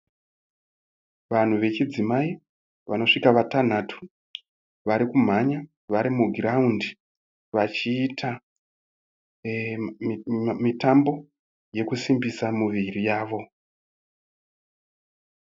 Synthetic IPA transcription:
ʋan̤uʋe̞t͡ʃid͡zimai | ʋano̞ʂikaʋatan̤atʰu̥ | ʋaɾikum̤aɲa | ʋaɾimuɡʱiraundi | ʋat͡ʃiːtʰa | mitambo̞ | je̞kusimbisamuʋirijaːʋo̞

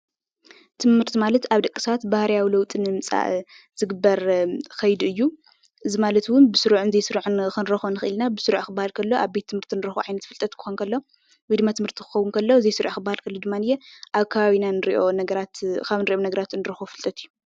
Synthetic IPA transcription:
t̪ʰɨmhɨɾt̪ʰimalɐt̪aβd̪ɐkʼːɨ̥saat̪bahɾijawilɐwt̪ʼinɨmɨt͡sʼa̰ʔ | z̥ɨɡɨbːɐɾxɐjd̪ɨjːu | ʔɨzimalɐt̪wʊnbɨsɨɾuʕnzejsɨɾuʕnxɨnɾɐxonɨxɨʔɨlnabɨsɨɾʕxɨbːahalkʰɐlːo̞ʔaβbe̞t̪ʰːɨmhɨɾt̪ʰinɨɾɐxo̰ʕajnɐt̪fɨlt̪ʼɐt̪kʰɨ̥xonkʰɐlːo̞ | wid̪mat̪ʰɨmhɨɾt̪ʰi̥xɨ̥xɐwːʊnkʰɐlːo̞ɨzejsɨɾʕxɨbːahalkʰɐlːod̪ɨmːanɨjeʔaβkʰɐβaβinanɨɾʔonɐɾat̪kʰaβnɨɾiʔonɐɡɐɾat̪nɨɾɐxofɨlt̪ʼɐt̪ʰɨjːu

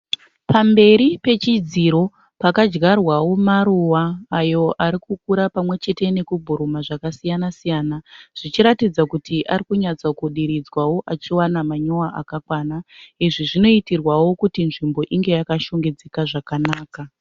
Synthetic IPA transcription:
pambe̞ɾipe̞t͡ʃid͡ziɾo̞ | pakad͡ʒɡarwawo̞maruwaːjo̞ʔaɾikukuɾapamwe̞t͡ʃe̞te̞ne̞kubʱuɾumaʐakasijanasijaːnaʐ̥it͡ʃiɾatid͡zakutʰiʔarikuɲat͡sakuɗiɾid͡zwawo̞ʔat͡ʃiwanamaɲo̞aʔa̰kakwaːnaiʐiʐino̞itirwawo̞kutinʐimbo̞ʔiŋɡe̞jakaʃoŋɡed͡zekaʐakanaːka

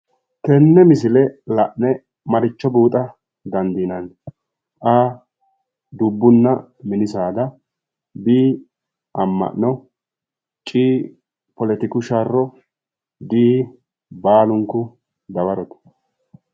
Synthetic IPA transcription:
k̪ɛnːɛmɪs̬ɪlɛlɐʔnɛ | mɐɾɪt͡ʃːɔbuːt̪ʼɐ | d̪ɐnd̪inɐn | ʔaː | d̪ʊbːʊnːɐ | mɪnɪsaːd̪ɐ | biː | ʔɐmːɐ̰ʔnɔ | t͡ʃʼiː | pɔlɛt̪ɪkʊʃarːɔ | d̪iː | baːlʊŋkːʊ | d̪ɐbɐɾɔt̪ɐ̥

